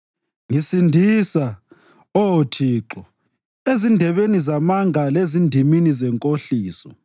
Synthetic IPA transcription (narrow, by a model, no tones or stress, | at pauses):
ŋisindʱisa | ɔwotʰiːǁɔ | ezindʱɛβenizamaŋʱalezindʱiminizɛŋkʼoɬiːsɔ̰